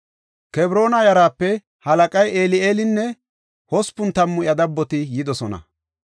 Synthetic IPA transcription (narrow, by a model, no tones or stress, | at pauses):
kɛbɾo̞ːnɐjɐɾaːpːɛ | hɐlɐkʼɐjeːlɪeːlɪnːɛ | hɔspʊnt̪ɐmːʊʔjɐd̪ɐbːɔt̪ɪjɪd̪ɔsɔnɐ̰